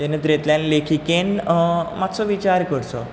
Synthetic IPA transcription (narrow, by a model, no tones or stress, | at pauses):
enet̪ɾet̪lanlekʰikenmat̪sɔʋit͡ɕaɾkəɽt͡sɔ